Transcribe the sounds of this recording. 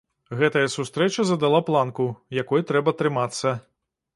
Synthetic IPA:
ɣɛt̪ɐjɐsust̪ɾɛt͡ʃɐzɐd̪alˠaplˠankujakɔjt̪ɾɛbɐt̪ɾɨmat̪sːɐ

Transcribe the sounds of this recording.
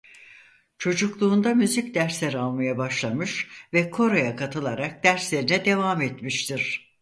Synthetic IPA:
t͡ʃʰo̞d͡ʒuklˠuːnd̪amyzicd̪æɾslʲeɾalˠmajabaʃlˠamɯʃvɛkʰo̞ɾojakʰat̪ʰɯlˠaɾak̚d̪̥æɾslʲe̞ɾinɛd̪e̞vaːmet̪miʃt̪ʰiɾ̥

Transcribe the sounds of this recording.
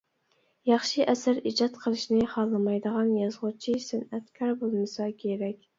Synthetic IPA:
jɑχʃiʔɛsæɾid͡ʒɑt̪qʰəlˠɨʃnɪχɑlˠːɨmɑjd̪əʁɑnjɑzʁʊt͡ʃʰisɪnɛt̪kʲʰɑɾbolˠmɨsɑkʲʰeɾɛkʲ

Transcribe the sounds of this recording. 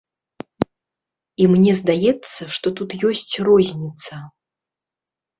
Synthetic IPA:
imnʲɛzd̪ajɛt̪sːɐʂt̪ɔt̪ut̪jɔsʲt͡sʲrɔzʲnʲit̪sɐ

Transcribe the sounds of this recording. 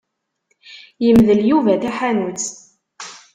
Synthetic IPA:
jəmðəljuvæθæħanut͡s

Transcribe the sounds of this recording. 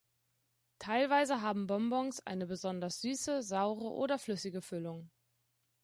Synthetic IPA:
tʰaɪlvaɪzəɦaːbm̩bɔmbɔŋsʔa̰ɪnəbəzɔndɐsz̥yːsəzaʊʁə̰ʔo̰ːdɐflʏsɪɡəfʏlʊŋ

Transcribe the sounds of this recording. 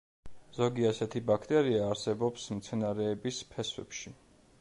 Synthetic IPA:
z̥ɔɡiasɛt̪ʰibakʰt̪ʼɛɾiaːɾsɛbɔpsmt̪sʰɛnaɾɛːbispʰɛswɛ̰pʃi

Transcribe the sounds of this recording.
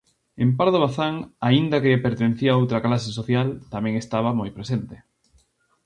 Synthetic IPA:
empaɾðoβaθaŋaind̪ɐkeʎepeɾt̪enθiaowt̪ɾɐklasesoθjalt̪amɛ̃ŋest̪aβ̞amojpɾesent̪e̥

